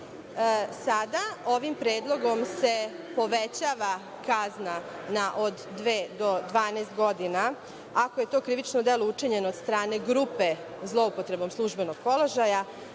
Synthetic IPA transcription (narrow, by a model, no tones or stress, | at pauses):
sad̪aoʋimpɾeːd̪lˠo̞ɡo̞mse̞ | po̞ʋet͡ɕaʋa | kazna | naʔod̪ːʋeːd̪o̞d̪ʋaːnest̪ɡo̞d̪ina | akoje̞t̪o̞ːkɾiʋit͡ʃnod̪elout͡ʂiɲe̞nod̪st̪ɾaːne̞ɡɾupe̞ | zlˠo̞upot̪ɾe̞bo̞mslˠuʒbe̞no̞ɡ̥̚po̞lˠo̞ʒaja